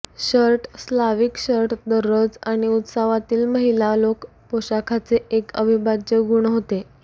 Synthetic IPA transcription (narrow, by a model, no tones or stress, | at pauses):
ɕəɾʈslaʋiːkɕəɾʈd̪əɾəd͡zaɽ̃iut̪saʋat̪iːlməɦilalok | poɕakʰat͡seʔekəbʱibad͡ʑəɡuɳ̃ɦot̪e